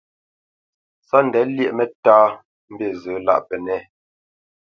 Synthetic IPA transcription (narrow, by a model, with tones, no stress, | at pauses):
sa˦n̩˨dɛ˨˦ljɛ˦ʔmɛ˦˨taː˦ | m̩˦be˦˨zə˨˦la̰˦ʔpɛ˨nɛ˦˨